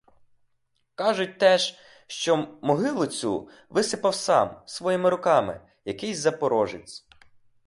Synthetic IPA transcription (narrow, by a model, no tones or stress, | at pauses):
kɑʒʊt̚ʲt̪ɛʃ | ʃt͡ʃɔmɔɦɪlˠʊt͡sʲu | ʋɪsɪpɐwsɑ̰msʋɔjimɪɾʊkɑmɪ̰ | jɐkɪjzɐpɔɾɔʒɪt͡sʲ